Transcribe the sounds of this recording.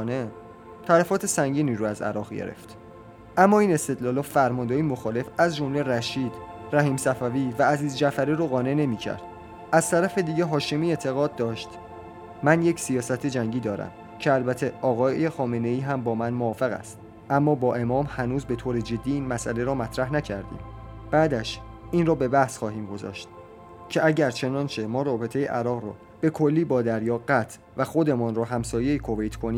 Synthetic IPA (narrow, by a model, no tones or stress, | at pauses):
ne | t̪ʰælæfɒːt̪ʰe̞sæŋɟiːniːɾɔæzæ̰ɾɒːɣɟḛɾḛft̪ | ʔæmːɒːiːne̞st̪e̞d̪lɒːlɒːfæɾmɒnd̪ɒːimoxɒːle̞fæzd͡ʒo̞mle̞ɾæʃiːd̪̥ræɦiːmsæfæviːvæːziːzd͡ʒæfæɾiːɾoɣɒːne̞ne̞miːcʰæ̰ɾd̪̥ | ʔæzt̪ʰæɾæfe̞d̪iːɟeɦɒːʃemiːet̪ʰe̞ɣɒːd̪̚ːɒːʃt̪ | mænjecʰsijɒːsæt̪ʰe̞d͡ʒæŋɟiːd̪ɒːɾæ̰m | cʰeælbæt̪ʰeʔɒːɣɒːje̞xɒːme̞ne̞iːɦæmbɒːmænmoɒːfeɣæ̰st̪ | ʔæmːɒːbɒːʔe̞mɒːmhænuːzbe̞t̪ʰoːɾe̞d͡ʒe̞d̪ːiːiːnmæsʔæle̞ɾɒːmæt̪ʰɾæhnæcʰæɾd̪ḭːmb̥æːd̪æʃʔiːnrɒːbe̞bæhsxɒːɦiːmɡo̞zɒ̰ːʃt̪̚ | cʰe̞ʔæɟæɾt͡ʃʰe̞nɒːnt͡ʃʰe̞mɒːɾɒːbe̞t̪ʰe̞jḛʔæɾɒːɣrɒ̰ː | b̥e̞kʰo̞lːiːbɒːd̪æɾjɒːɢæt̪ʰ | væxo̞d̪e̞mɒːnɾɒːɦæmsɒːje̞ikʰo̞vejt̪ʰkʰo̞niː